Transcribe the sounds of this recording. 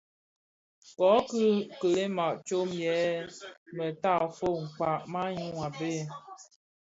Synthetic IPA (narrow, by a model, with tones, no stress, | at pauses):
kɔ˨˦kɨ˦kə˨le˦ma˨ʔt͡ʃo˦mjɛ˨˦ | mə˨ta˦˨fo˦˨ŋ̩˨k͡pa˨ʔma˦ɲu˦ŋa˨be˦˨